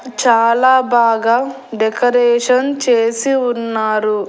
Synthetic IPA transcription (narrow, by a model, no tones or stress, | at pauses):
t͡ʃaːlaːbaːɡaː | ɖɛkɐɾɛːʂɐnt͡ʃeːsiunːaːɾu